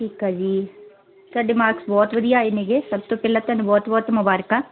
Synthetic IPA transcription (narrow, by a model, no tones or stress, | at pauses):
ʈʰiːkaːd͡ʒiː | t̪aɖɪmaːɾksbɔːt̪ʋəd̪ijaːeneɡeːsəb̚t̪oːpɛːlaːt̪ɛːnũbɔːt̪bɔːt̪mʊbaːɾkaː